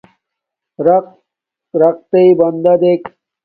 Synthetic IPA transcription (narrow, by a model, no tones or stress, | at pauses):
ɾ | ɾɐq̚t̪eibɐnd̪ad̪ek